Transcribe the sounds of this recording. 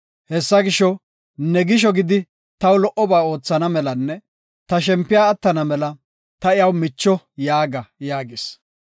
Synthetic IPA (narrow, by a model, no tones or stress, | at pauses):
hɛsːɐɡɪʃɔ | nɛɡɪʃ̬ɔɡɪd̪ɪ | t̪ɐwlɔʔɔbaːo̞ːt͡sːɐnɐmɛlɐnːɛ | t̪ɐʃɛmpːɪjaːɐt̪ːɐnɐmɛlɐ | t̪ɐɪjɐwmɪt͡ʃːɔ | jaːɡɐjaːɡɪs